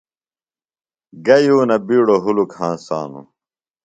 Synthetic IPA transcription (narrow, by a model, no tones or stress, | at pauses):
ɡɐjuːnɐbiːɽoɦulukhãːnsa̰ːnṵ